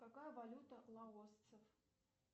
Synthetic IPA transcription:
kakajəvɐlʲut̪əlˠɐost̪səf

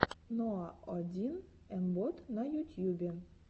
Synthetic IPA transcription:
noaɒd̪ʲin | ɛmbot̪nɑjut̪ʲjubʲe

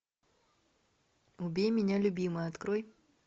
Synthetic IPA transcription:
ʊbʲejmʲɪnʲalʲʊbʲimɨjɐt̪kɾoj

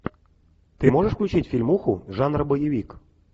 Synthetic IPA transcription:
t̪ɨmoʐəʂfklʲut͡ɕitʲfʲilʲmuxuʐanrbəjɪʋʲik

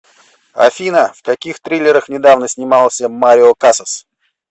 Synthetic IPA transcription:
ɐ̰fʲinəfkɐkʲixt̪ɾʲilʲːɪɾəxnʲɪd̪avnəsʲnʲɪmɑlˠsʲəmaɾʲɪokasəs

